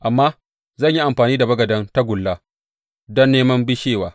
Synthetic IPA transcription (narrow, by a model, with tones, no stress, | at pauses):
ʔa˨mːaː˦ | zɐ˦˨ɲji˦ʔa˨mɸaː˨niː˦da˨bɐ˦ɡɐ˨dɐ˦nta˦ɡʷʊ˨lːaː˦ | dɔ˦nːeː˦mɐ˦mbɪ˦ʃeː˦˨waː˨